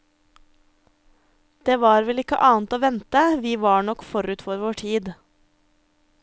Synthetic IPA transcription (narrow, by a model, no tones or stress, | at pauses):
d̪̥eːʋɑːɾʋɛlɪkə̰ʔɑːn̩t̪oːʋɛnt̪əʋiːʋɑːɳɔkfɔɾʉːt̪fɔːɾʋoːʈʰiːd̪